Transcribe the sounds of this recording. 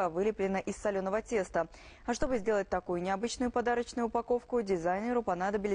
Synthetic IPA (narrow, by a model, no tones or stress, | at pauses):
əvɨlʲɪplʲɪnəʔɪsːɐlʲo̞nəvətʲe̞st̪ə | ɐʂt̪o̞bɨzʲdʲe̞lˠət̚ʲt̪ɐkujʊnʲɪɐbɨt͡ɕnʊjʊpɐd̪aɾət͡ɕnʊjʊʊpɐko̞fkʊdʲɪzajnʲɪɾʊpɐnad̪əbʲɪlʲɪ